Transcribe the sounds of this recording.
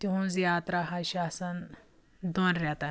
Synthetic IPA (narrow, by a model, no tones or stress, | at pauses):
t̪iɦũnd͡zjat̪ɾaɦaɕasən | d̪onɾat̪a